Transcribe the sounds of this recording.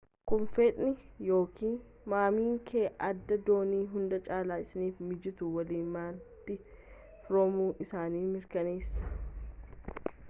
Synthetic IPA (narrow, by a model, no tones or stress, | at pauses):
kʊnfet̪ʼnɪjo̞ːkʰiːn | maːmiːŋkʰeːʔɐd̪ːɐd̪o̞ːniːɦʊnd̪ɐt͡ʃʼaːlaːɪsɪniːfmɪd͡ʒɪt̪ʊwɐliːnmaːlt̪ɪ | fɾomuːʔɪsaːniːmɪɾkɐne̞ːsːɐ̥